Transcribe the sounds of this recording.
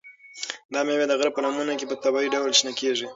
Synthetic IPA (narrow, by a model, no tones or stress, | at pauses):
d̪ɑmewed̪əɣɾb̚pənamunakepət̪abɑiɖawlʃnakeʐi